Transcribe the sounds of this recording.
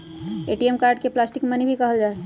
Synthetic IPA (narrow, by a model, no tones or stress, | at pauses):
eːʈiemkaːɾɖ̚keplaːsʈɪkmənibʱikɐɦəld͡ʒaːe